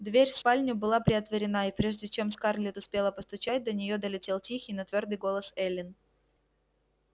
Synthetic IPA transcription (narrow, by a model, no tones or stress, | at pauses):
d̪vʲeɾʲfspalʲnʲʊbɨlˠapɾʲɪət̪vəɾʲɪnaipɾʲeʐdʲɪt͡ɕe̞mskarlʲɪt̪ʊspʲelˠəpəst̪ʊt͡ɕæt̚ʲd̪ənʲɪjo̞d̪əlʲɪtʲe̞lˠtʲixʲɪijnɐt̪vʲord̪ɨjɡo̞lˠəsɛlʲɪn